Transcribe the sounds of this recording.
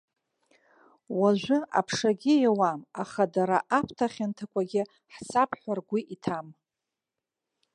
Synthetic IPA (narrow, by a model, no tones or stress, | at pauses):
waʒʷʊʔa̰pʰʂaɡʲɪjawamaχadaɾaʔapʷʰtʰaχʲantʰakʷʼaɡʲɪ | ħsapʰħʷᶣarɡʷiʔitʰam